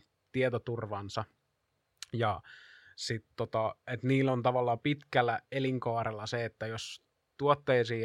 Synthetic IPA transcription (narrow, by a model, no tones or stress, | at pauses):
t̪iet̪ot̪urʋɑnsɑ | jɑ | sit̪tot̪ɑet̪niːlːont̪ɑʋɑlːɑpit̪kælːæeliŋkɑːrelːɑseet̪ːæjos | t̪uot̪ːeːsiː